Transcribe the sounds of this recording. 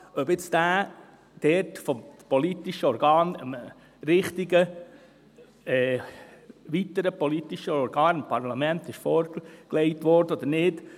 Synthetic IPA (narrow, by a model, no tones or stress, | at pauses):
ʔœbɪt͡sd̥æː | d̥ɛɾtfɔmpɔlit̪iʃəɔɾɡɑːnəm | ɾɪχt̪iɡə | ɛː | ʋit̪əɾəpɔlit̪iʃəɔɾɡɑːnɪmpʰɑɾlɑmɛnt̪ɪʃfɔːɾkleɪtʋɔɾd̥əɔd̥̪əɾnɪd